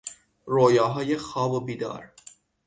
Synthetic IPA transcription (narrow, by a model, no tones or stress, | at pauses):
ɾoːjɒːɦɒːjexɒːbobiːd̪ɒ̰ːɾ